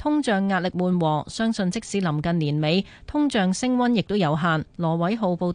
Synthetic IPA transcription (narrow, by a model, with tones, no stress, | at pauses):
t̪ʰʊ˥ŋt͡ʃœː˨ŋːaː˧t̚lɪ˨k̚muː˨nwɔː˨˩sœː˥ŋsɵ˧nt͡sɪ˥k̚siː˨˥lɐ˨˩mkɐ˨nliː˨˩nme˨˧j | t̪ʰʊ˥ŋt͡ʃœː˨ŋsɪ˥ŋwɐ˥njɪ˨k̚t̪o˥wjɐ˨˧wɦaː˨nlɔː˨˩wɐ˨˥jɦo˨˧wpo˨˧w